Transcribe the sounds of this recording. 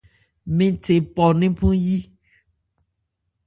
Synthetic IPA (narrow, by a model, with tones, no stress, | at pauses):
mĩ˨te˨pɔ˨nĩ˦pũ˦ji˦